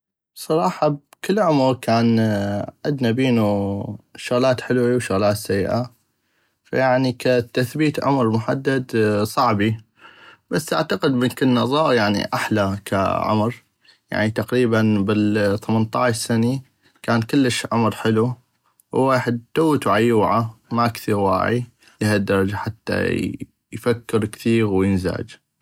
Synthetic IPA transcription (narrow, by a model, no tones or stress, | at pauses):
sˤɑɾˤɑːħɑbkɪlːʕʊmɾkʰaːnʕad̪nabiːnu | ʃʊɣlaːt̪ħɪlwiwʃʊɣlaːt̪sajːʔa | fa̰jaʕnikat̪aθbiːt̪ʕʊ̰mɾmʊħa̰d̪ːad̪sˤɑʕbi | basːʔa̰ʕt̪aqɪd̪mənkənːɑðˤɑːjaʕnḭʔaħlakʰa̰ʕʊ̰mɾ | ja̰ʕnit̪aqɾiːbanbɪθamant̪ˤɑʕʃsani | kaːnkɪlːəʃʕʊmɾħɪlu | wːeːħɪd̪̚t̪awːt̪uʕajuːʕamakθiːɾwa̰ːʕḭ | lihad̪ːɑɾˤɑd͡ʒaħat̪ːa̰ | jfakːɪɾkθiːɣwjɪnza̰ːd͡ʒ